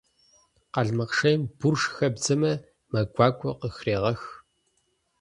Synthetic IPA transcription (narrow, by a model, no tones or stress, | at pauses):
qɐɮmɐqʂɐjmb̥urʂxɐbd͡zɐmɐ | mɐɡʷɑːkʷʰʼɔqəxreːʁɐx